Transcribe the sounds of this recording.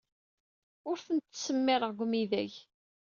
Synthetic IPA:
ʊɾθənt̪ːsəmːɪɾˤəʁɡʷmiðæʝ

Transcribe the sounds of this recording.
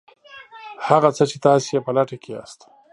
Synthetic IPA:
haɣat͡sət͡ʃet̪ɑsejepəlaʈakea̰st̪

